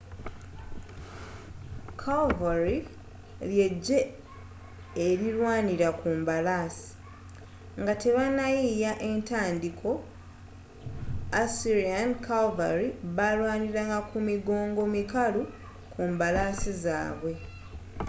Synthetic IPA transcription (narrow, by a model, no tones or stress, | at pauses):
kʰalvaɾi | lje̞ɟːe̞ | eɾiɾwaːniɾakuːmbalaːsi̥ | ŋɡate̞βanajijaʔe̞ntaːndikʰo̞ | asiɾiankalva̰ɾiβalwaːniɾaŋɡakumiɡo̞ːŋɡo̞mikalu | kʰuːmbalaːsiza̰ːβwe̞